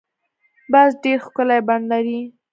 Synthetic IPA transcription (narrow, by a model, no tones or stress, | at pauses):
basɖeɾxkəlajband̪laɾi